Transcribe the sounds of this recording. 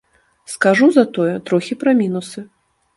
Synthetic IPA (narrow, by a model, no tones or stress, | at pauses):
skaʐuzɐt̪ɔjɛt̪ɾɔxʲipɾɐmʲinusɨ